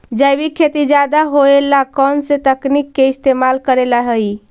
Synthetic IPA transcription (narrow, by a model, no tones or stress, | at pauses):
d͡ʒəjbikʰːet̪id͡ʒad̪aɦoelakɔnset̪əknikːeist̪emalkəɾelaɦəj